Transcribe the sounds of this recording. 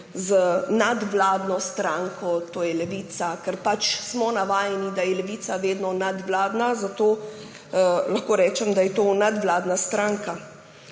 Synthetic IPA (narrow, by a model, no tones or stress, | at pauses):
zənad̪ʋlaːd̪nɔst̪ɾaŋkɔt̪oːjɛlɛʋiːt̪sakɛɾpat͡ʃsmɔnaʋaːjɛnid̪ajɛlɛʋit̪saʋeːd̪nɔnad̪ʋlaːd̪nazat̪oː | laxkoːɾɛːt͡ʃɛmd̪ajɛt̪oːnad̪ʋlaːd̪nast̪ɾaːŋka